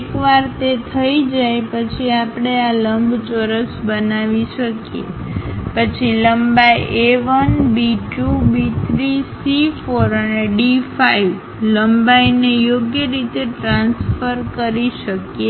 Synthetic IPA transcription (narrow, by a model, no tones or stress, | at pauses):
ekʋaɾt̪et̪ʰəid͡ʒajpət͡ʃʰiapɳ̃ealəmbʱt͡ʃəɾəsbənaʋiʃəkjḛpət͡ʃʰiləmbajʔeʋənbiʈubit̪ʰɾisifoɾəneɖifaiʋ | ləmbajnejoɡjəɾit̪eʈɾãnsfəɾkəɾiʃəkje